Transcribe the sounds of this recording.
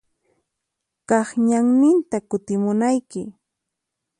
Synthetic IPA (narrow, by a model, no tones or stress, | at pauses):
kɑχɲaŋnɪnt̪akʊt̪ɪmʊnajkɪ